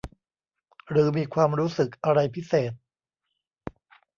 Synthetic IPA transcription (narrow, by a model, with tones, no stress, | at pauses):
ɾɯː˩˦miː˧kʰwaː˧mɾuː˦˥sɯ˨˩k̚ʔa˧ɾa˧jpʰi˦˥seː˨˩t̪̚